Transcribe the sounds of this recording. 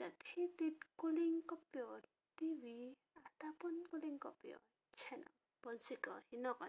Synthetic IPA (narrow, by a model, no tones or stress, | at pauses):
d̪at̪ʰit̪it̚kuliŋkɔpjɔ | t̪iwi | at̪apɔnkuliŋkɔpjɔ̰ | t͡ʃʰɛnɔ̰ | b̥ɔnsikɔhinɔkɔ